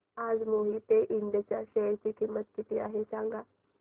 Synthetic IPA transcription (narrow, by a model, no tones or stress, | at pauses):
aːd͡zmoɦit̪eʔind̪et͡ɕjaɕəjɾt͡ɕiːkimːət̪̚kit̪iaɦesãŋɡa